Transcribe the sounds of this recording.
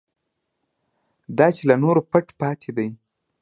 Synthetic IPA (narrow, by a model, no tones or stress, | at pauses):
d̪ɑt͡ʃelanoɾopaʈpɑt̪ʰed̪aj